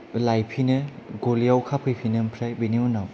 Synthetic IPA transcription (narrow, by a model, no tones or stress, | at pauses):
lajpʰinɯɡolijawkʰapʰɯjpʰinɯmpʰɾajbiniunaw